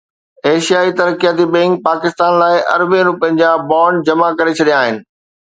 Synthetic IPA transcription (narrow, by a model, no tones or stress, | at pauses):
eːʃijaːit̪ɐɾkijaːt̪ibẽŋɡ̚paːkɪst̪aːnlaːɪʔɐ̰ɾbẽɾʊpɪ̃ɲd͡ʑabaːɳɖd͡ʑɐmakɐɾet͡ɕʰɐɗijaːɦɪnɪ̆